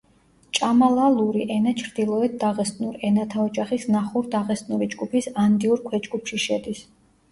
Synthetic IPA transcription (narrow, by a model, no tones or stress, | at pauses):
t͡ʃʼamalˠalˠuɾiʔɛnat͡ʃʰɾd̪ilˠɔɛt̪̚d̪aʁɛst̪nuɾɛnat̪ʰaɔd͡ʒʼaχisnaχuɾd̪aʁɛst̪ʼnuɾid͡ʒɡupʰisand̪iuɾkʰwɛd͡ʒɡupʰʃiʃɛd̪is